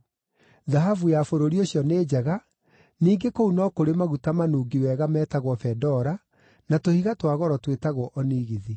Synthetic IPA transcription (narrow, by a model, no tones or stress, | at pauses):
ðaɦavujafoɾoɾioɕjɔneːd͡ʑaɣa | niːŋɡekounɔkoɾemaɣutamanuːɡiwɛːɣamɛːtaɣwɔfɛdɔɾa | natohiɣatwaɣɔɾɔtwetaɣwɔʔɔniːɣiði